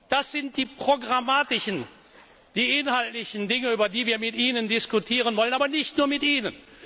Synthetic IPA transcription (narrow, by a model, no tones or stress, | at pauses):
d̥asz̥ɪnt̚d̥iːpʁ̥oɡʁamaːtɪʃən | d̥iːʔɪnhaltlɪçəndɪŋəyːbɐdiːviːɐmɪtʔiːnəndɪskutʰiːʁ̞ənvɔlənaːbɐnɪçtnuːɐmɪtʔiːnən